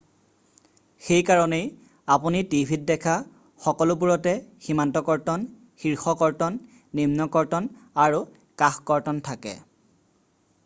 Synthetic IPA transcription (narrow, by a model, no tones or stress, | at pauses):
xejkaɹɔnej | apunitibʱit̚dɛkʰa | xɔkɔlʊpuɹɔtɛximantɔkɔɹtɔn | xiɹxɔkɔɹtɔnː | imnɔkɔɹtɔnaɹu | kaxkɔɹtɔntʰakɛ̰